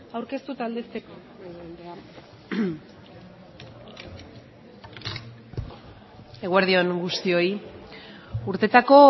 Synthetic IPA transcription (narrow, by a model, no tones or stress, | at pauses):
awɾke̞st̪ut̪ald̪est̪e̞ko | eðend̪ea | eɣwaɾðio̞nɡust̪io̞i | uɾt̪e̞t̪ako̞